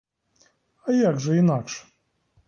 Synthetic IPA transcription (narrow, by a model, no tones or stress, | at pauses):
ɐjaɡʐəinakʂ